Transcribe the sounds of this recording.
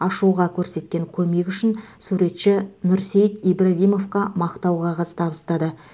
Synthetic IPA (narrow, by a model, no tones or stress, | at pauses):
ɑʃuʁɑkʲʰɵɾse̞t̪̚kʲe̞ŋkʲʰɵme̞kʲʏʃɪn | suɾe̞t̪ʃɪnʊɾsejt̪ibɾavʲijmo̞fkɑmɑqt̪ɑwʁɑʁɑzə̥t̪ʰɑbəst̪ɑd̪ə